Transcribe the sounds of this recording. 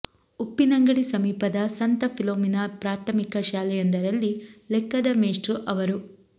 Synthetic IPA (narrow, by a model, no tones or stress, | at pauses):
upːinɐŋɡɐɽisɐmiːpɐd̪ɐsɐnt̪ɐpʰiloːminapɾaːt̪ʰɐmikɐʃaːlɛjond̪ɐɾɐlːilɛkːɐd̪ɐmeːʂʈɾuʔɐʋɐɾu